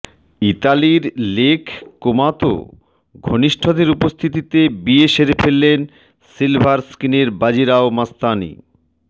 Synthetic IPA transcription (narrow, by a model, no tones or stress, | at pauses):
it̪aliɾlekʰkomat̪o̰ | ɡʱoniʃʈʰod̪ʱeɾupost̪ʰit̪it̪ebieʃeɾepʰelːen | silbʱaɾskineɾbad͡ʑiɾaomast̪anḭ